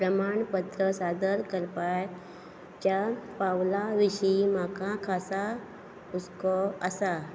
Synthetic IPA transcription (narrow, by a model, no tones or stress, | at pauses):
pɾɐmaːɳpət̪ɾəsaːd̪əlkəɾpaj | t͡ʃapaʋlaʋɪʃəimãːkãkʰaːsa | ʊskoɐsa